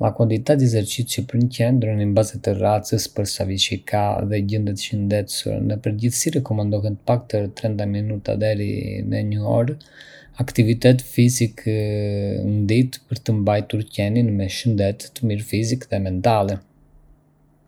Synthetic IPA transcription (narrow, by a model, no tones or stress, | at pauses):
akand̪it̪ad̪izɛɾt͡ʃit͡ʃipəɾɲcɛnd̪ɾənimbazɛt̪ərat͡səspəɾsaviʃikʰaðɛɟənd̪ət̪ʃənd̪ɛt̪sṵɾnəpəɾɟiθsiɾɛkɔmand̪ɔɦɛnt̪əpak̚t̪əɾt̪ɾɛnt̪aminut̪a̰d̪ɛɾḭnɛ̰ɲəɔ̰ɾ | akt̪ivit̪ɛt̪̬fizikʰ | nd̪it̪pəɾt̪əmbajt̪uɾcɛninmɛʃənd̪ɛt̪ːəmiɾfizikðɛmɛnt̪alɛ